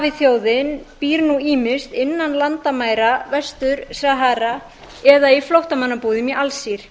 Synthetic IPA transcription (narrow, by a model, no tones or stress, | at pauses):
avɪθjoːwðɪnpiːɾnuiːmɪst̪ɪnːanlant̪amaːjɾavɛst̪ʏɾsaɦaɾa | ɛðaiflowht̪amanːapuːðɪmiʔalsiɾ̥